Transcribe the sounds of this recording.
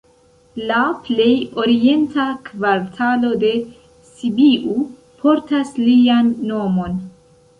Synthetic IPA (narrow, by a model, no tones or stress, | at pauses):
laple̞jo̞ɾie̞ntakvaɾtʰalo̞de̞ | sibiʔu | pʰo̞ɾtaslianːo̞mo̞n